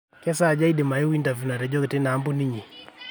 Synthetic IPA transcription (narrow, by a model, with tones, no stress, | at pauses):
kɛ˦sa˦˨d͡ʒa˦i˦de˨ma˨i˦wi˦nda˨vju˨na˨ɾɛ˨d͡ʒɔ˦ke˨te˦naː˨˦mbu˦ni˦ɲi˨